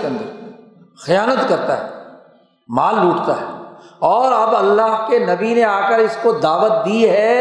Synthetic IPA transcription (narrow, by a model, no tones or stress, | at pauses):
kɐ̃nd̪e | xɪjaːnət̪kɐɾt̪a̰ɦɛ̰ː | maːlːuːʈt̪a̰ɦɛːɔːɾɐbɐlːaɦkenɐbineaːkəɾɪskod̪aːʋət̪̚d̪iːɦɛː